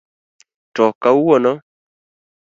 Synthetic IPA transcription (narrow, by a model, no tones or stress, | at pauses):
tɔkauwɔnɔ